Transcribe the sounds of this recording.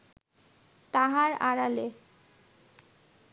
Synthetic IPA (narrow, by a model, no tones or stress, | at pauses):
t̪aɦaɾa̰ɾale